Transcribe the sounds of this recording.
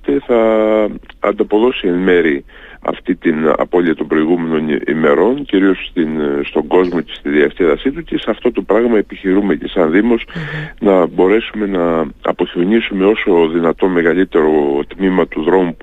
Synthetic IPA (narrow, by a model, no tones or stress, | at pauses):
t̪eθɐ | ɐ̰nd̪ɐpo̞ðo̞sienme̞ɾi | ɐ̰ft̪it̪inɐ̰po̞liɐt̪o̞mbɾo̞iɣume̞no̞nḭme̞ɾo̞nciɾio̞st̪inst̪o̞ŋɡo̞zmo̞ce̞̥st̪iðiɐst̪iðɐsit̪uce̞seɐft̪o̞t̪o̞pɾɐɣmɐepiçiɾume̞ce̞sɐnðimo̞snɐbo̞ɾe̞sume̞nɐɐ̰po̞çio̞nisume̞o̞so̞ðinɐt̪o̞me̞ɣɐlit̪e̞ɾo̞t̪mimɐt̪uðɾo̞mup